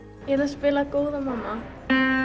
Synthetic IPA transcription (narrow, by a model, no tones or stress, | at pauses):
jɛɾaspɪːlakoːwðamamːa